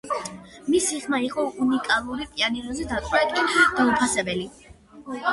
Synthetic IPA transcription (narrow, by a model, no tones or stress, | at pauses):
misiχmaiqʼɔunikʼalˠuɾipʼianiɾɔzɛd̪at̪ʼwɛk̪ʼid̪̥aupʰasɛbɛli